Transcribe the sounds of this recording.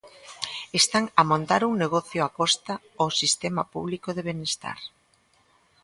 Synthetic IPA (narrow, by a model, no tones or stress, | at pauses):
est̪aŋɐmõnt̪aɾuŋneɣ̞ɔθjoakɔst̪a | osist̪emapṵβlikoðeβenest̪a̰ɾ